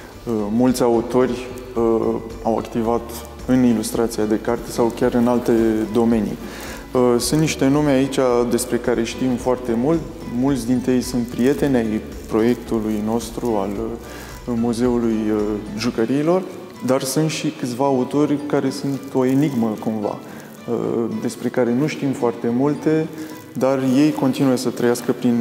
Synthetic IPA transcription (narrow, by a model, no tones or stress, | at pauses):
əmult̪sʲaut̪o̞rʲ | əawa̰kt̪ivat̪ | ɨnilust̪ɾat̪siad̪e̞kart̪esawkʲaɾɨnalt̪e̞d̪o̞me̞nḭ | əsunt̪niʃt̪e̞nlumeait͡ʃʲad̪e̞spɾe̞kaɾe̞ʃt̪imfoart̪e̞mult̪ | mult̪sʲd̪int̪ɾejsunt̪̚pɾije̞t̪e̞nej | pɾo̞je̞kt̪ulujno̞st̪ɾual | muze̞ulujʒukəɾiːlo̞r | d̪arsunt̪ʃikɨt̪sʲvaːut̪o̞rʲkaɾe̞sunt̪o̞e̞niɡməkumva̰ | ə̰d̪e̞spɾe̞kaɾe̞nuʃt̪imfoart̪e̞mult̪e̞ | d̪arje̞jko̞nt̪inujesət̪ɾəjaskəpɾin